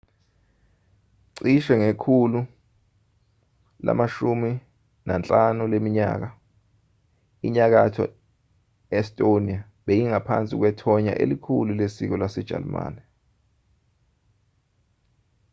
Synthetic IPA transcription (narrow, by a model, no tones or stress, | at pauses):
ǀiʃɛŋekʰulu | la̰maʃumi | nant͡ɬʼanulemiɲa̰ːk̬a | iɲak̬atʰɔ̰ | ɛstʼonia | ɓejiŋapʰa̰nt͡sʼik̬wɛtʰɔɲa̰ʔḛlikʰululesik̬ɔlwasɛd̥ʒ̥ʱa̰lma̰ːnɛ